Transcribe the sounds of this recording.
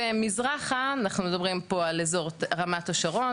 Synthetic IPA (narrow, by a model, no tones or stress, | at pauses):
emizʁaχanaχnumed̪abʁimpo̞alezo̞ʁtʁamatoʃaʁo̞